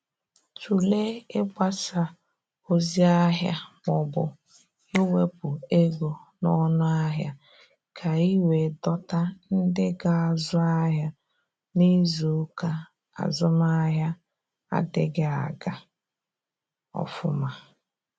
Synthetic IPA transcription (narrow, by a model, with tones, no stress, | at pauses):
t͡ʃu˨le˦e˦ɡ͡ba˦sa˨ | o˦zi˦a˦ɦja̰˦mɔ˨bʊ̰˨ | e˦we˦pʊ˨e˦ɡo˨nɔ˦nʊ˦a˦ɦja̰˦ | kʰa˨i˦we˨dɔ˦ta˦n̩˦dɪ˦ɡa˨a˨zʊ˦a˦ɦja˦ | ni˦zo˨˦ka˦ | a̰˨zʊ˦ma˦ɦja˦ | a̰˦dɪ˦ɡɪ˦a̰˨ɡa˨ | ɔ̰˨fʊ˦ma˦